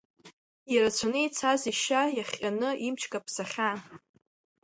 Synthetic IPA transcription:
jaɾat͡sʷʰanɨit͡sʰaziʃajaχʲʼanɨimt͡ʃʰkʼapʰsaχʲa

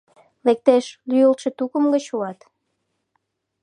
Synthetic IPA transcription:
lek̚t̪eʃlyjəlʃĕt̪ukəmɡət͡ɕuɑt̪

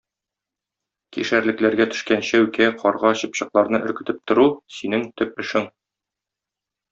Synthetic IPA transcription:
kiʃæɾlɘ̆klæɾɡæt̪ɵ̥̆ʃkænɕæʉkæqʰɒɾʁɑɕɤpɕɤ̆qlˠɑɾnɤʔɵ̆ɾkɘ̆t̪ɘp̚t̪ŏɾusinɘŋt̪ɵp̚ɘ̆ʃɘŋ

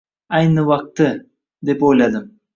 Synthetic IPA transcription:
ajnɨwɑq̚t̪ɨ | d̪e̞pojlˠad̪əm

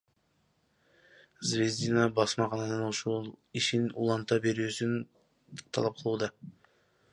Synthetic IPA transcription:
zvʲe̞zʲd̪inabɑsmɑqɑnɑnɯnoʃolˠiʃinṵlˠɑnt̪ɑbe̞ɾyːsyn | t̪ʰɑ̰lˠɑp̚qʰɯlˠuːd̪ɑ

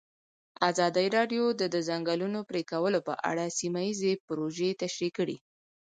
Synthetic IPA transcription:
azɑd̪əiɾɑɖjod̪əd̪əzaŋɡɑlunopɾekawəlopə̰ʔa̰ɽasimajizepʊɾoʒet̪aʃɾikəɽḭ

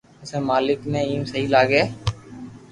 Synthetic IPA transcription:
ʊsemaːlɪknẽiːmsəɦilaːɡeː

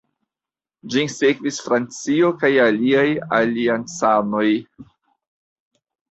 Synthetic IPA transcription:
d͡ʒisekvisfɾant͡sio̞kajaliajaliant͡sano̞j

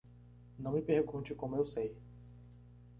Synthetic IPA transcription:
nɐ̃w̃mipehɡũt͡ʃɪkõmʊewsej

